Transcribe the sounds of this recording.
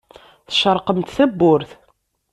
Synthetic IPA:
θə̥ʃəɾˤqəmt̪θæbːʊɾθ

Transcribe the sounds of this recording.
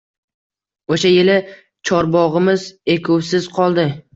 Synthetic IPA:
oʃajɪlɪ | t͡ʃʰɒɾbɒʁɨmɪze̞kʰʊwsɪz̥qʰɒlˠd̪ɪ

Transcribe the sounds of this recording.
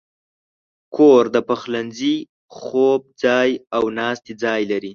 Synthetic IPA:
kʰoɾd̪əpaxlanzi | xob̚d͡zɑjawnɑst̪id͡zɑjlaɾi

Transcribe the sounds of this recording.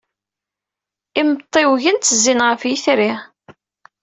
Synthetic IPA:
imət̪ˤːewʝənt̪ːəzːinʁəfjiθɾi

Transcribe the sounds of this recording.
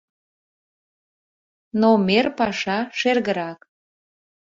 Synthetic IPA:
nomerpɑʃɑʃerɣəɾɑk

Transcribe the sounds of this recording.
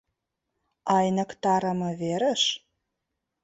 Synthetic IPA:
ɑjnə̆kt̪ɑɾə̆mɤ̆βeɾə̆ʃ

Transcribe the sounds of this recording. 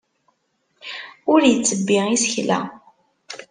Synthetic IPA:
ʊɾjət͡sːəbːɪisçlæ̰

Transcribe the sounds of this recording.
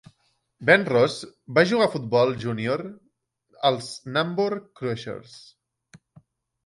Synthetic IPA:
bɛnrɔzbaʒuɣafut̪̚bɔlˠʒunioɾ | əlˠznamboɾkːɾɛʃḛɾs

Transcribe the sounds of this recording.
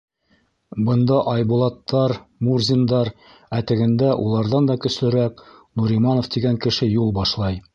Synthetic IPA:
bɤ̆nd̪ɑʔɑjbulˠɑt̪ːɑɾmurzʲind̪ɑɾ | æt̪ɘ̆ɡɘ̆nd̪æʔulˠɑɾðɑnd̪ɑkɵ̆slɘ̆ɾæknuɾimɑnŏft̪iɡæŋkɘ̆ʃɘjulˠbɑʃlˠɑj

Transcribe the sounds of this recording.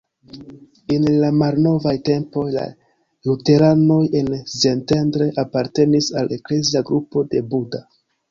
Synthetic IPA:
enlamalno̞vajte̞mpo̞jla̰ | jute̞ɾano̞je̞nzentendɾe̞ʔapaɾte̞nisalʔe̞kle̞ziaɡɾupo̞de̞buda

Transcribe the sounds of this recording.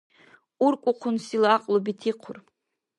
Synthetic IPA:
uɾkʷʼʊqʰʊnsilaqʼlˠubit̪ʰiqʰʊr

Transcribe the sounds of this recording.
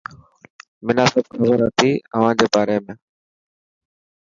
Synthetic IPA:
mɪnaːsəbxəzəɾət̪ʰiːəʋ̤ãːd͡ʑeːbaːɾeːmẽː

